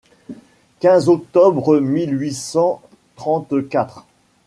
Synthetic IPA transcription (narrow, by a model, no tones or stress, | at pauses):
kʲɛ̃zɔk̚t̪ɔbʁmilɥisɑ̃ | t̪χɑ̃t̪kʲat̪χ